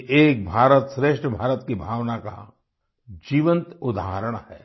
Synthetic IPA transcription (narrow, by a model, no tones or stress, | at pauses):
ʔeːk̚bʱaːɾət̪sɾeːʃʈʰəbʱaːɾət̪kibʱaːʋnaka̰ | d͡ʒiːʋə̃nt̪ʊd̪aːɦəɾəɽ̃hɛ̰ː